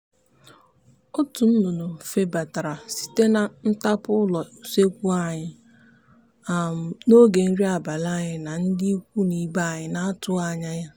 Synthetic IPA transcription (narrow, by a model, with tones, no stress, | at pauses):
ʊ˦tu˨n̩˦no˨no˨fe˦ba˨ta˨ɾa˨si̥˦˨te˦na˨n̩˦ta˦pʊ˦lɔ˨se˦kʷu˦a˨ɲɪ˨ | a˨m̩˨no˦ɡe˨n̩˦ɾi˦a˨ba˨la˦ɲɪ˨na˨n̩˦dɪ˦kʷu˦ni˨ba˦˨ɲɪ˨na˦tʊ˦a˨ɲa˦ja˦